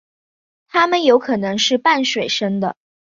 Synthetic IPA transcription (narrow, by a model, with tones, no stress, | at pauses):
t̪ʰa˥mə˨njo˧˥ʊkʰɤ˨˩nɤ˧˥ŋʂɻ̩˥˧pa˥˩nʂwe˨˩ɪʂɤ˥ŋd̪ə˨